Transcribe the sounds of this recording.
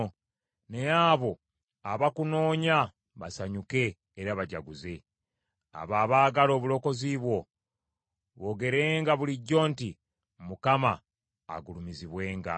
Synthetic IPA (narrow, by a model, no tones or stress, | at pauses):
ne̞jaːβo̞ | aβakuno̞ːɲa | βasaɲuke̞ː | ɾaβaɟa̰ɡuze̞ | a̰βaːβaːɡalo̞ːβulo̞ko̞ziβwo̞ | βoɡe̞ɾe̞ːŋɡaβuliɟːo̞ːnti | mukama̰ː | ɡulumiziβwe̞ːŋɡa̰